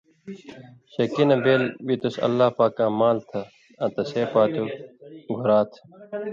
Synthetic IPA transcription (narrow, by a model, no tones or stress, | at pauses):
ɕɐkinɐbeːlbit̪usɐ̰lːaːpaːkãːmaːlt̪ʰɐ | ɐt̪ɐseːpaːt̪uɡʱuɾaːt̪ʰ